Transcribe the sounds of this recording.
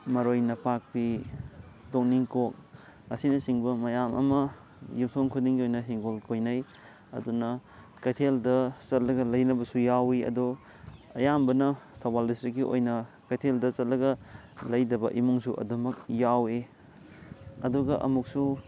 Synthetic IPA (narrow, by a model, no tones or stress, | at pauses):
mɐɾojnɐpak̚pi | tok̚niŋkok̚ | ɐsinɐsiŋbɐmɐjamɐ̰mɐ | jumtʰoŋkʰudiŋɡiojnɐɦiŋɡolkʰojnɐj | ɐ̰dunɐ | kɐtʰeldɐt͡ʃɐt̚lɐɡɐlɐjnɐbɐsujawiɐ̰dɔ | ɐjambɐnɐtʰobaldistɾik̬ːiʔo̰jnɐ | kɐtʰeldɐt͡ʃɐt̚lɐɡɐ | lɐjdɐbɐʔimuŋsuʔɐ̰dɐmɐk̚jawe | ɐduɡɐʔɐ̰muk̚su